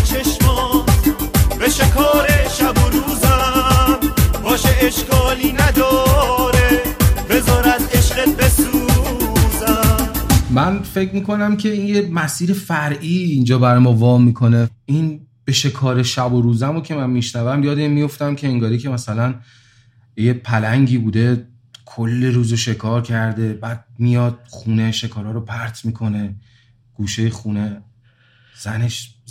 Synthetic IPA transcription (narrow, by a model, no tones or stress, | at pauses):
t͡ʃʰeʃmɒː | beʃekʰɒːɾeʃæboɾuːzæmbɒːʃeʔeʃkʰɒːliːnæd̪ɒːɾebezɒːɾæt̪eʃɢet̪̚besu | zæmmænfecʰmiːko̞næmcʰe̞iːnjemæsiːɾe̞fæɾʔiːnd͡ʒɒːbæɾɒjmɒːvɒːmiːkʰo̞ne̞inb̥e̞ʃe̞kʰɒːɾe̞ʃæboɾuːzæmocʰe̞mænmiʃnævæmjɒːd̪emːijo̞ft̪æmcʲʰe̞ːŋɡɒːɾiːcʰe̞mæsælæn | jepʰælæŋɟiːbuːd̪e̞ | kʰolːeɾuːzoʃe̞kʰɒːɾcʰæɾd̪e̞bæːd̪̚mijɒːd̪̥̚χuːne̞ʃe̞kʰɒːɾɒːɾopʰæɾt̪ʰmiːkʰo̞ne̞ | ɡ̥uːʃejexuːne̞ | z̥æne̞ʃ